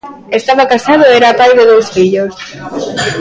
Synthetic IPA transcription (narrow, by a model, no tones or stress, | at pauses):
est̪aβakasað̞oɛɾapajðeðowsfiʎos